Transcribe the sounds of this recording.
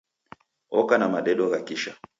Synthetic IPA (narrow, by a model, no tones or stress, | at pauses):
ɔkanamaɗɛɗɔɣakiʃa